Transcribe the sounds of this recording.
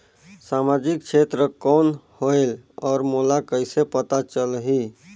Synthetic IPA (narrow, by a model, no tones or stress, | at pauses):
samad͡ʒik̚t͡ʃʰet̪ɾəkɔːnhoelɔːɾmolakəjsepət̪at͡ʃəlɦi